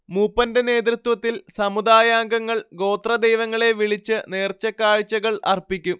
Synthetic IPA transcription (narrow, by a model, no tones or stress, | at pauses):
muːpːɐnde̞ne̞ːt̪̬rit̪wɐt̪ːilsɐmud̪aːjaːŋɡɐŋːɐɭɡo̞ːt̪rɐd̪ejʋɐŋːɐɭe̞ʋiɭit͡ɕːɨne̞ːrt͡ɕːɐkːaːɻt͡ɕːɐɣɐɭʔɐ̰rpikʲːum